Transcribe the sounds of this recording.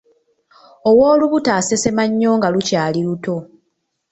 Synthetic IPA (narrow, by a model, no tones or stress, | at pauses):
owo̞ːluβutaːse̞se̞maɲːo̞ːŋɡalucaːliluto̞